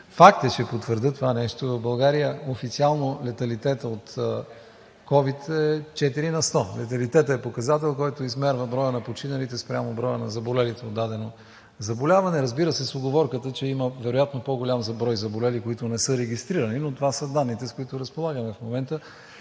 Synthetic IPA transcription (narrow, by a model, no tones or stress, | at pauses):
fak̚t̪ət͡ʃɛpot̪vəɾd̪ət̪ovanɛʃt̪ovɐvbɐlˠɡaɾijəofit̪sialˠnolɛt̪ɐlit̪ɛt̪əot̪ | kɔvit̪ɛt͡ʃɛt̪iɾinɐst̪ɔlɛt̪ɐlit̪ɛt̪əɛpokɐzat̪ɛlˠkɔjt̪oizmɛɾvəbɾɔjənɐpot͡ʃinɐlit̪ɛspɾʲamobɾɔjənɐzɐbolɛlit̪ɛod̪ːad̪ɛno | zɐbolʲavɐnɛɾɐzbiɾəsɛsoɡovɔɾkət̪ət͡ʃɛiməvɛɾojat̪nopoɡolʲamzɐbɾɔjzɐbolɛlikoit̪ʊnɛsɤɾɛɡ̟ʲist̪ɾiɾɐninot̪ovasəd̪anːit̪ɛskoit̪ʊɾɐspolˠaɡəmɛfmomɛnt̪ə